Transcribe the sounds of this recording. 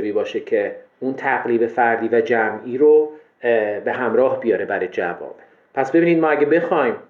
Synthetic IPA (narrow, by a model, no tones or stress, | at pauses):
viːbɒːʃecʰe̞ | unt̪ʰæɣliːbe̞fæɾd̪iːvæd͡ʒæmʔiːɾo | be̞ɦæmɾɒːhbijɒːɾe̞bæɾed͡ʒæ̰vɒ̰ːb̥e | pʰæsbe̞biːnid̪mɒːæɟebe̞xɒjm